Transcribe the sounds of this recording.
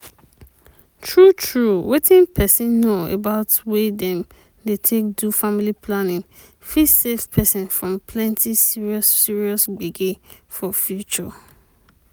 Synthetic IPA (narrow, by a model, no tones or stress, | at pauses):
tʰɹutʰɹuwetʰĩnpʰɛsĩnːoḛbaʊtwedɛ̃m | detʰek̚dufamilipʰlanɪ̃ŋ | fisevpʰɛsɪ̃nfɹɔ̃mpʰlɛ̃ntʰisiɹiɔssiɹiɔsɡ͡beɡefɔfjut͡ʃɔ̰